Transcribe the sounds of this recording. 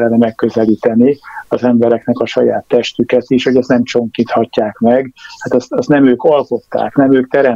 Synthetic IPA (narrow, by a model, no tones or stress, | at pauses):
lːɛnɛmɛkːøzɛliːt̪ɛniɒzɛmbɛɾɛknɛkɒʃɒjaːt̪ːɛʃt̪ykɛt̪iʃhoɟɛst̪nɛmt͡ʃo̞ŋkit̪hɒcːaːkmɛɡhat̪ɛst̪ɒst̪nɛmøːkɒlko̞t̪ːa̰ːknɛmøːk̚t̪ɛɾɛ